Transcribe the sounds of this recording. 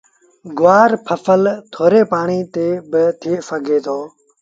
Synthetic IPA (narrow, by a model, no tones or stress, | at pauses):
ɡʊʋaːɾpʰəfəlt̪ʰoːɾeːpaːɳiːt̪eːbɪt̪ʰeːfəɡʱeːt̪ʰoː